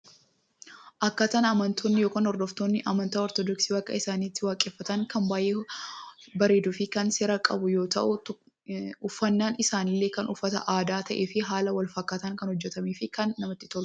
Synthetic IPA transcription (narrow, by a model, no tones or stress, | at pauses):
ʔɐkːaːt̪ɐnɐmɐnt̪oːnːɪjoːkɐːnhɔɾd̪ɔft̪oːnːɪʔɐmɐnt̪aɔɾt̪ɔd̪ɔksiːbɐkʼːɐ̰ɪsaːniːt̪ːɪwaːkʼːeːfːɐt̪ɐŋkɐnbaːjʔeː | bɐɾe̞ːd̪ʊfɪkɐnsɛɾɐkʼɐbʊjo̞ːt̪ɐ̰ʔʊ | ʊfːɐnːaːnɪsaːnɪlːe̞ːkɐnʔʊfːɐt̪ɐ̰ʔaːd̪aːt̪ɐʔeːfɪɦaːlɐwɐlfɐkːaːt̪ɐŋkɐnhɔd͡ʒːɛt̪ɐmiːfɪkɐnːɐmɐt̪ːɪt̪ɔl